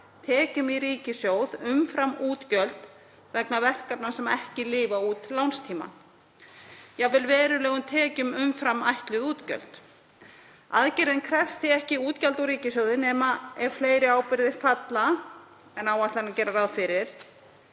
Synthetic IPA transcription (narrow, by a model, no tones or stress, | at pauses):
t̪ʰɛːcʏmiɾiːcɪsjoːwðʏmfɾamːuːt̪cœlt̪ | vɛknavɛr̥kapnasɛmɛhcɪlɪːvauːt̪lawnst̪ʰiːma̰n | javɪlvɛːɾʏlɛːɣʏmt̪ʰɛːcʏmʏmfɾamːajht̪lʏðuːt̪cœ̰lt̪ | a̰ðcɪɾɪnkʰɾɛfst̪ɪɛhcɪuːt̪calt̪aɾiːcɪsjowðɪnɛːmaɛɾ̥fleːjɾɪaːwpɪɾðɪfat̪la | ɛnawaht̪anacɛːɾaraðfɪɾɪɾ̥